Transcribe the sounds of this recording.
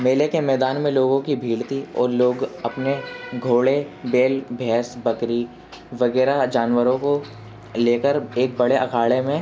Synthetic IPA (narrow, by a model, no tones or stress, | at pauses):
meːlekemɛːd̪aːnmẽloːɡõkibʱiːɭt̪iɔ̰ːɾloːɡɐpneɡʱoːɭebeːlbʱɛːsbɐkɾi | ʋɐɣɛːɾad͡ʒaːnʋəɾõko | leːkəɾeːk̚bɐɽeʔɐkʰaːɭemẽ